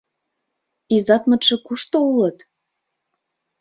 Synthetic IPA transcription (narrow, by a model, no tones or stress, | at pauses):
izɑt̪mɤ̆t̪ʃɤ̆kuʃt̪oulə̆t̪